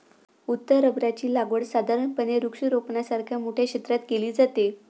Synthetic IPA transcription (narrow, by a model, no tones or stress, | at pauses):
ut̪ːəɾəbɾat͡ɕiːlaɡʋəɽsad̪ʱaɾəɳpəneɾukʂiɾopnasaɾkʰjamoʈʰjakɕet̪ɾat̪keliːd͡zat̪e